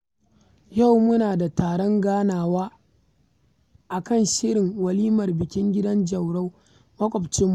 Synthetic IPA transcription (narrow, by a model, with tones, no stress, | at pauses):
ja˦˨wmʊ˦naː˨da˨taː˨ɽɔ˦ŋɡaː˦naː˨waː˦ | ʔa˨kɐ˦˨nʃɪ˦ɾɪ˨ŋwɐ˨liː˦mɐ˨rbɪ˨kʲɪ˦ŋɡʲɪ˦dɐ˦nd͡ʒɐ˨wɽa˦w | mɐ˦kʷʼɔ˨bt͡ʃɪ˦mː˦